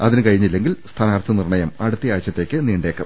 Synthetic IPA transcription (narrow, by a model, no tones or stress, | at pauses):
ɐðinɨkɐɻiɲːilːe̞ŋɡilst̪ʰaːnaːrt̪ʰɐnirɳɐjɐmɐɽut̪ːijaːjɐt͡ɕːɐt̪ːe̞ːkːɨniːɳɖe̞ːkːɐ̰m